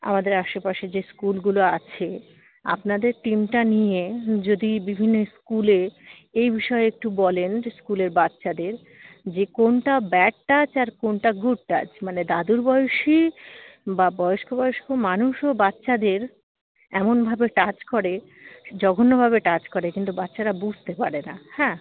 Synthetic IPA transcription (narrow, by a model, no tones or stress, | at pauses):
a̰mad̪eɾaʃopaʃed͡ʑeskulɡuloat͡ɕʰe | a̰pnad̪eɾʈimʈanijed͡ʑod̪ibibʱinːoskule | ejbiʃɔeek̚ʈubɔlenskuleɾbatːɕad̪eɾ | d͡ʑekonʈabɛʈʈat͡ɕaɾkonʈaɡuɖ̚ʈa̰t͡ɕmaned̪ad̪uɾbɔjoʃi | babɔjoʃkobɔjoʃkʰomanuʃobat̪ːɕad̪eɾ | ɛmonbʱabeʈat͡ɕkoɾe | d͡ʑɔɡʱonːobʱaβeʈat͡ɕkoɾekint̪ubat̪ːɕaɾabud͡ʑʱt̪epaɾenahɛ̃ː